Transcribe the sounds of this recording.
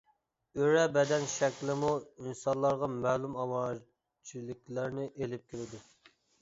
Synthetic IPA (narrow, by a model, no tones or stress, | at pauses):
øɾɛbɛd̪ɛnʃɛkʲlˠɪmuinsɑnlˠɑɾʁɑmɛːlumɑwɑ | t͡ʃʰilɪkʲlæɾnɪʔelɪp̚kʲʰelɪd̪u